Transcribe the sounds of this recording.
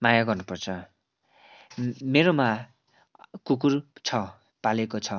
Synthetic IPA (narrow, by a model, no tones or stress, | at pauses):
majaɡʌrnupʌrt͡sʰʌ | meɾoma | kuk̬urt͡sʰʌ | palekot͡sʰʌ